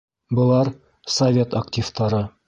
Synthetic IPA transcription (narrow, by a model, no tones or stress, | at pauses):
bɤ̆lˠɑɾ | sɐvʲe̞t̪ɐktʲift̪ɑɾɤ